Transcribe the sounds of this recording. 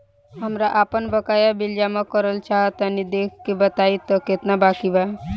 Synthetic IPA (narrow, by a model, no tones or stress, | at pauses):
ɦəmɾaʔapənbəkajabiljamekəɾəlt͡ʃaɦət̪ənid̪ekʰkebət̪ait̪ɔket̪nabakibae